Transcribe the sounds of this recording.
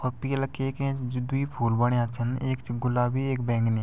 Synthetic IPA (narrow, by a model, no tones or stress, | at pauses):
ɔːɾpiːlɐkeːkẽd͡ʒʊd̪uipʰuːlbəɽ̃eat͡ʃʰəneːkt͡ʃɡʊlaːbʱieːkbɛ̃ːŋɡneː